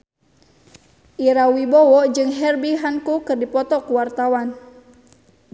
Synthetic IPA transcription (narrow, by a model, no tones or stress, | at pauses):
ʔiɾawibɔwɔd͡ʒɨŋɦɛrbiɦankukɨrdipɔt̪ɔkuwart̪awan